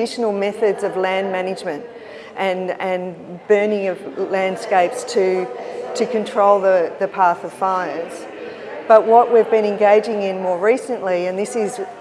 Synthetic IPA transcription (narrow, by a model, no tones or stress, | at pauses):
ɪʃn̩l̩ˠmɛθɨdzʌvlæ̃nmænɨd͡ʒmɨ̃nt | ʔɨ̃nɨ̃n | bɜ˞nɪ̃ŋʌvlæ̃nd̥skeɪpstʰɨɾɨkʰɨ̃ntʰɹ̥oʊlˠðəðɨpʰæθʌv̥faɪə˞z̥ | b̥ʌʔ̚wʌʔwivbɨ̃ñɨ̃nɡeɪd͡ʒɪ̃ŋɪ̃nmɔɹɹisɨ̃nʔliɨ̃nðɪsɪz